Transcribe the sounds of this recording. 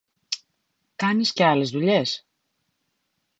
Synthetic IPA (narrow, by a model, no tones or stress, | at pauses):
kɐnisce̞ɐle̞zðuʎe̞s